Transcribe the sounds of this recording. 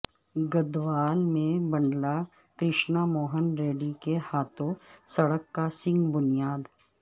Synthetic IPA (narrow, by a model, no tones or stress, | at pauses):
ɡəd̪ʋaːlmẽbɐ̃ɳɖla | kɾɪʃnamoːɦənɾeːɖikehaːt̪ʰõsɐɽəkːasɪ̃ŋɡbʊnijaːd̪